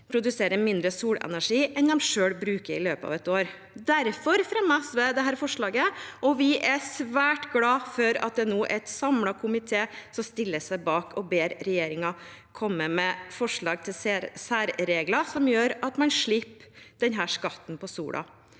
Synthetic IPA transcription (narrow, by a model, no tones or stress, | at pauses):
pʰɾʊd̪ʉseːɾəmɪnd̪ɾəsuːɽɛ̰næʂiːʔɛnd̪ɛmʂøːɽbɾʉːkəɾɪløːpəɑ̰ːʋɛt̪oːɾ | d̪æɾfɔɾfɾɑmɑsʋɛd̪ɛɦæːɾfɔʂɭɑːɡəɔʋɪʔæsʋæːʈɡlɑːfɔɾɑt̪̚d̪ɛnuːʔɛt̪sɑmɽɑkʰʊmɪt̪ʰeːsɔmst̪ɪlːəsæɪbɑːkʰɔbeːɾɾɛjeːɾɪŋɑ | kʰɔmːəmɛfɔʂɭɑːɡ̚t̪ʰɪssæːɾɾeːɡlɑsɔmjøːɾɑt̪mɑnʂɭɪpːd̪̥ɛnɦæːʂkɑt̪ːn̩pɔsṵːɽʔɑ̰